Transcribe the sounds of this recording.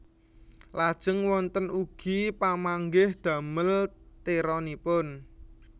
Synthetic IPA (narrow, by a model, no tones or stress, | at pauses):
lad̥ʒ̥ə̤ŋwɔnt̪ənʔuɡ̥ipamaŋɡɪhd̪̥ä̤məlt̪eɾɔnipʊn